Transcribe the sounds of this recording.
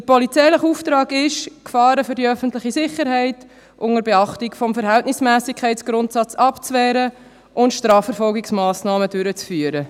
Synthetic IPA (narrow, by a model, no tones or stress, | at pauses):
dəpʰɔlit͡sɛɪləχuftɾɑːɡɪʃkfɑːɾəfʏɾdiœfəntlɪχisɪχəɾɦɛɪt | ʔʊŋəɾbɛɑχtɪkfɔmfəɾɦɛltnɪsmæːsɪkʰɛɪtsɡ̥ɾʊntsɑt͡sɑpt͡svɛːɾə | ʔʊntʃtɾɑːfːəɾfɔlɡɪksmɑːsnɑːmədʏɾət͡sfyːəɾə